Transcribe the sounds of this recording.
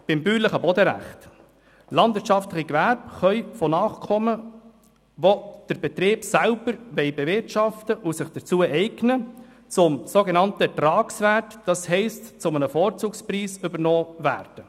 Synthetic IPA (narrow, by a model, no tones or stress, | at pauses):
b̥ɪmbyːləχəbɔdəɾæ̰χt | lɑndvɪɾtt͡ʃɑftləχiɡʋæɾbχœʏfɔnɑːχkʰɔmə | ʋod̥əɾbɛt̪ɾɪːb̥sælb̥əɾʋɛɪbevɪɾtʃɑftəʔusɪχd̥əɾt͡suːəʔɛɪɡnə | t͡sʊmsoɡenɑntətɾɑːksvæːɾtd̥ɑshɛɪstt͡sʊmənəfɔːɾt͡suːkspriːsʏbərnɔːvæ̰ːɾd̥ə